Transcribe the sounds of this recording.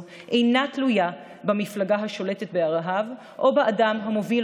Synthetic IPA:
ʔe̞jnatluja | bamiflaɡaɦaʃo̞le̞tet̪̚beaʁaɦav | ʔo̞baʔadamɦamo̞vil

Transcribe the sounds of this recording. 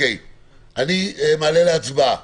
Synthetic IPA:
ej | aniemaːleleat͡sba

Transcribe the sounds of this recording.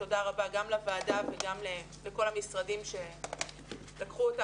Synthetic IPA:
to̞daʁabaɡamlavaːdaveɡamle | leko̞lamisʁadimʃe̞ | lakχuota

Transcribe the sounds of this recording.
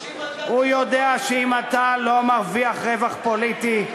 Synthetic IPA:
hujod̪eaʃeimat̪alo̞maʁviaχʁevaχpolit̪i

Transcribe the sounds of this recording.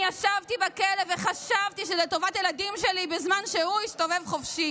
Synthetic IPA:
jaʃavt̪ibakeleveχaʃavt̪iʃezet̪o̞vatjeladimʃelibezmanʃehuist̪o̞ve̞vχofʃi

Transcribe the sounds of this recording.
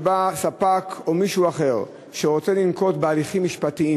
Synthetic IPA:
basapako̞miʃuaχe̞ʁ | ʃeʁo̞t͡selimko̞tbealiχimːiʃpatii

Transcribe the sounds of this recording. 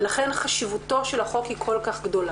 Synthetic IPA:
laχenχaʃivuto̞ʃelhaχo̞khikʰo̞lkaχɡd̪o̞la

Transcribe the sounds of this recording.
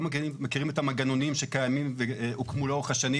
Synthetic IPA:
makimekiʁimetamaɡano̞nimʃekajamimveukmuloχaʃani

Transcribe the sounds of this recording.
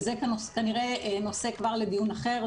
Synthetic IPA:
zekanoskaniʁeno̞se̞kvaʁled̪ijunaχe̞ʁ

